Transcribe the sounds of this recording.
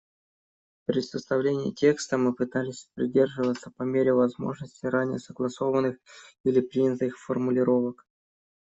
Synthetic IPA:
pɾʲɪsəst̪ɐvlʲenʲɪjə̰tʲe̞kst̪əmɨpɨt̪alʲɪsʲpɾʲɪdʲe̞rʐɨvət̪səpɐmʲeɾʲɪvɐzmo̞̰ʐnəsʲtʲɪjɾanʲɪjəsəɡlˠɐso̞vənːɨxilʲɪpɾʲinʲt̪ɨxfərmʊlʲɪɾo̞vək

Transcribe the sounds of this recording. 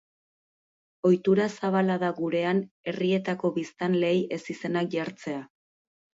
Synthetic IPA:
o̞jt̪uɾasaβalaðaɣuɾe̞an | e̞rie̞t̪ako̞βist̪anle̞je̞sise̞nak̚ʝaɾt͡se̞a

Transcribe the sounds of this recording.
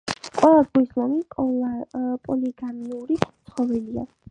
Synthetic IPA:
qʼwɛlˠazɡuislɔmi | pʼɔliɡamiuɾitt̪sʰχɔvɛlia̰

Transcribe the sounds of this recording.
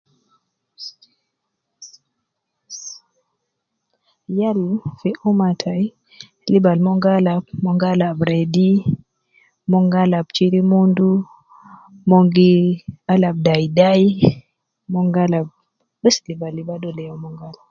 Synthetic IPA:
jalfiʔumatʰaj | libalmɔŋɡalabmɔŋɡalabɾedi | mɔŋɡalabt͡ʃiɾimundu | mɔŋɡialab̚dajdaj | mɔŋɡalab̚ | ɓɛslibalːibadɔlɛjɔmɔŋɡal

